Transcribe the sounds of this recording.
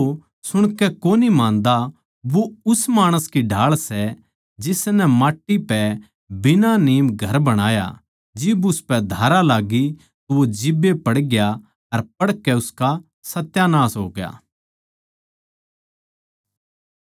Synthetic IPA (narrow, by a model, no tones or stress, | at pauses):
o | sʊɽ̃kɛkoːnimãːnd̪a | ʋoʊsmaːɽ̃əskiɖʱaːɭsɛ | d͡ʒɪsnɛmaːʈːipɛ | bɪnaniːmɡʱɐɾbɐɽ̃aːja̰ | d͡ʒɪbʊspɛd̪ʱaːɾalaːɡi | t̪oʋod͡ʒɪbepɐɽɡja | ɐɾpɐɽkɛʊska | sɐt̪janãːsɦo̰ːɡja̰ː